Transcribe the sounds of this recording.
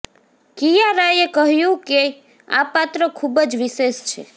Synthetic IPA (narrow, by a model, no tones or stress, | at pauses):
kijaɾajekəɦjũke | a̰pat̪ɾəkʰubəd͡ʒʋiseʃt͡ʃʰe